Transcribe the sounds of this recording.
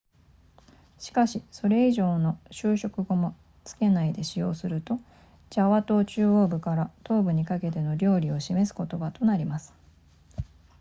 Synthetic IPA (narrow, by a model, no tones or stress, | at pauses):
ɕi̥kaɕiso̞ɾe̞iʑo̞ːno̞ɕɨːɕo̞kɯ̟ɡo̞mo̞ | t͡sɨ̥ke̞naid̪e̞ɕijo̞ːsɨɾɯ̟t̪o̞ | d͡ʑaβat̪o̞ːt͡ɕɨːo̞ːbɯ̟kaɾat̪o̞ːbɯ̟ɲ̟ikake̞t̪̬e̞no̞ɾʲo̞ːɾʲio̞ɕime̞sɨ̥ko̞t̪o̞bat̪o̞naɾʲimasɨ̥